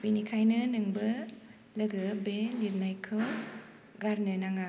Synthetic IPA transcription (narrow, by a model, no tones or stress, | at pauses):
binikʰajnɯnɯŋbɐ | lɐɡɯbeliɾnajkʰɯw | ɡaɾnɯnaŋa